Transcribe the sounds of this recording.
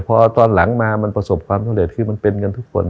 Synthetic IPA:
pʰɔː˧t̪ɔː˧nla˩˦ŋmaː˧ma˧npɾa˧so˨˩p̚kʰwaː˧msʰli˨˩t̪̚kʰɯː˧ma˧npe˧nŋɤ˧nt̪ʰu˦˥kkʰːo̰˧n

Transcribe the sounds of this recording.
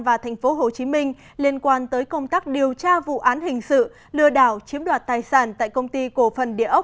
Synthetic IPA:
vaː˨˩t̪ʰɛ˨˩ŋ̟fo˨˦ɦo˨˩t͡ɕi˨˦mï˧ŋ̟ | li˧ənkwaː˧nt̪əː˨˦jkə˧wŋ͡mt̪aː˦˥k̚ɗi˨˩əwt͡ɕaː˧vṵ˧˨ʔaː˨˦nhï˨˩ŋ̟sɨ̰˧˨ | lɨ˧əɗaː˧˩wt͡ɕi˨˦əmɗwaː˨˩t̚t̪aː˨˩jsaː˧˩nt̪a̰ː˧˨jkə˧wŋ͡mt̪i˧ko˧˩fə˨˩nɗḭ˧˨əʔə˦˥

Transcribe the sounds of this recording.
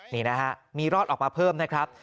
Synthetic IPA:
niː˩na˦˥kʰa˦˥ʔmiː˧ɾɔː˥˩ʔɔː˨˩k̚maː˧pʰɤː˥˩mna˦˥kʰɾa˦˥p̚

